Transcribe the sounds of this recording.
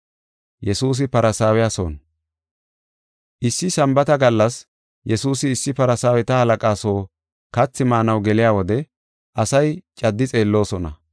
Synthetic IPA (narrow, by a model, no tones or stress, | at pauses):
jɛsuːs̬ɪpɐɾɐsaːwɛjaso̰ːn | ʔɪsːɪsɐmbɐt̪ɐɡɐlːɐs | jɛsuːsɪːsːɪpɐɾɐsaːwɛt̪ɐhɐlɐkʼaːso̞ː | kɐt͡sːɪmaːnɐwɡɛlɪjaːwɔd̪ɛ | ʔɐsɐjt͡ʃʼɐd̪ːɪt͡sʼe̞ːlːo̞ːsɔnɐ̰